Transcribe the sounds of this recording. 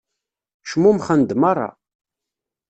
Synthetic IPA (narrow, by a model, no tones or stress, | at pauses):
ʃmumχənd̪mɑrˤːɑ̰